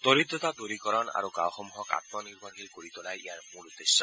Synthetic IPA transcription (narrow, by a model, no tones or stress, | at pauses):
t̪oɾid̪ɔt̪ad̪oɾikɔɾɔna̰ɾuɡa̰wxɔmuɦɔka̰t̪̚mɔniɹbʱɔɾɦejkoɾit̪ɔlajḭaɹmuɾud̪ːesːɔ